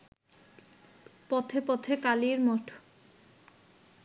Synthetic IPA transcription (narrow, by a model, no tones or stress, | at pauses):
pɔt̪ʰepɔt̪ʰekaliɾmɔʈʰ